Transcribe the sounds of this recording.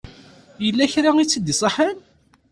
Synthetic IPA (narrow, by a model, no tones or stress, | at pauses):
jəlːæçɾait͡sːəd̪isˤɑħən